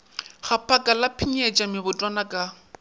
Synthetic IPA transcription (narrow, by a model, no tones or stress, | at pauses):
χapʰakʼalapʰiɲet͡ʃʼamɪbʊtʼwanakʼa